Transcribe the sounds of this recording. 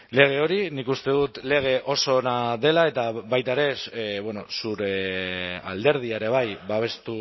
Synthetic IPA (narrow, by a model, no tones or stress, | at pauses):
le̞ɣ̞e̞o̞ɾinikust̪e̞ðut̪le̞ɣ̞e̞ʔo̞so̞naðe̞lae̞t̪aβajt̪aeɾe̞βweno̞suɾe̞ | a̰ld̪e̞ɾð̞iaeɾe̞β̞ajbaβ̞e̞st̪u